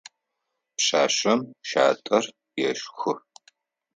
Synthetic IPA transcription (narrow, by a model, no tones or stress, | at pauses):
pɕaːɕɐmʃa̰ːtʼɐr | jɛʃxɨ